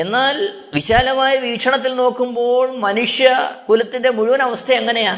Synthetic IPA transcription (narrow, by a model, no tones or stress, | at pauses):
e̞nːaːl | ʋiɕaːlɐmaːjiʋiːʈʂʰɐɳɐt̪ːilno̞ːkːumbo̞ːɭmɐnuʂjɐkulɐt̪ːinde̞muɻuʋɐnɐʋɐst̪ʰɐeŋːɐne̞jaː